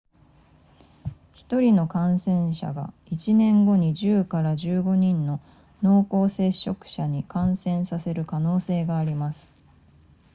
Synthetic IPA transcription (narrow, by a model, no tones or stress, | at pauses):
çi̥t̪o̞ɾʲino̞kãɰ̃sẽ̞ɰ̃ɕa̰ɡa̰ | it͡ɕinẽ̞ŋɡo̞ɲ̟iʑɨːkaɾaʑɨːɡo̞ɲ̟ĩnːo̞ | no̞ːko̞ːse̞ɕːo̞kɯ̟̥ɕaɲ̟ikãɰ̃sẽ̞ɰ̃sase̞ɾɯ̟kano̞ːse̞ːɡaːɾʲimasɨ̥